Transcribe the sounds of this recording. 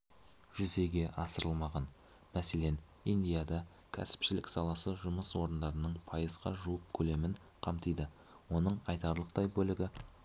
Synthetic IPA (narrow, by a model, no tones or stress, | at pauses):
ʒʏze̞ɡʲe̞ʔɑsəɾəlˠmɑʁɑn | mæse̞le̞n | ijnd̪ijad̪ɑ | kʲʰæ̰sɪ̥pʃɪlɪksɑlˠɑsəʒʊməswo̞ɾənd̪ɑɾənəɴpʰɑjəzʁɑ̰ʒuəp̚kʲʰɵle̞mɪɴ | qʰɑmt̪əjd̪ə | wo̞nəɴɑjt̪ɑɾlˠəqt̪ɑjbɵlɪɡʲɪ